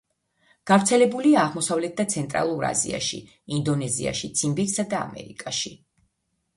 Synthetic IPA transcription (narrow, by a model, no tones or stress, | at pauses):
ɡ̥avɾt̪sʰɛlɛbuliaːʁmɔsavlɛt̪̚d̪at̪sʰɛnt̪ʼɾa̰lˠuɾa̰zḭa̰ʃḭ | ind̪ɔnɛzḭa̰ʃit̪sʰimbiɾsad̪a̰ːmɛ̰ɾikʼaʃi